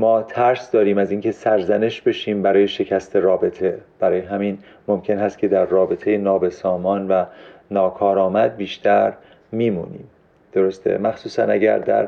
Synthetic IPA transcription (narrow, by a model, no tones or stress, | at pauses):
mɒːt̪ʰæɾsd̪ɒːɾiːmæziːncʰe̞sæɾzæne̞ʃbe̞ʃiːmbæɾɒːje̞ʃe̞cʰæst̪ʰe̞ɾɒːbe̞t̪ʰe̞b̥æɾɒːjeɦæmiːn | momcʰe̞nhæst̪̚cʰe̞d̪æɾːɒːbe̞t̪ʰe̞jenɒːbe̞sɒːmɒːnvænɒːkʰɒːɾɒːmæd̪̚biːʃt̪ʰæɾ | miːmṵːnḭːm | d̪̥o̞ɾost̪ʰḛmæxsuːsænæ̰ɟæ̰ɾd̪æ̰ɾ